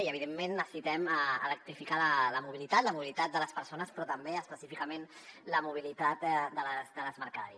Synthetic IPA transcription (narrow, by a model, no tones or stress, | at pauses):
iəβ̞iðemːẽnːəssit̪ɛmələk̚t̪ɾifikalələmuβilit̪at̪ləmuβilit̪at̪̚d̪ələspəɾsonəspɾɔt̪əmbeəspəsifikəmenləmuβ̞ilit̪at̪d̪ələzd̪ələzməɾka̰ɾis